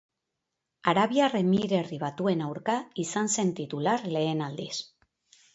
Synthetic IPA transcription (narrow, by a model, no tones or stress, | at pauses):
aɾaβiare̞miɾe̞riβ̞at̪ue̞nawɾkaisanse̞nt̪it̪ulaɾle̞ːnald̪is